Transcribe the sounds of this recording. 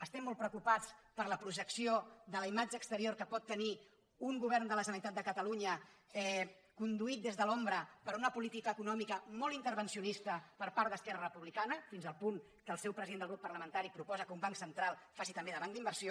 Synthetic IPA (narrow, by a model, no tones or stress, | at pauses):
əst̪ɛmːɔlˠt̪pɾəukupat͡spəɾləpɾuʒəksioðələimad͡ʒəːkst̪əɾioɾkəpɔt̪ːəni | uŋɡuβ̞ɛrnd̪ələʒənənit̪at̪̚d̪əkət̪əluɲəɛ | kund̪uit̪̚d̪ezðəlombɾəpəɾunəpulit̪ikəːkunɔmikəmɔlˠint̪əɾβənsiunist̪əpəɾpaɾt̪d̪əskɛrərəpuβlikanəfinzəlˠpuŋ | kəːlˠsɛwpɾəziðend̪əlɣɾupːərləmənt̪aɾipɾupɔzəkəumbaŋksənt̪ɾalˠfasit̪əmbeðəβaŋd̪imbəɾsio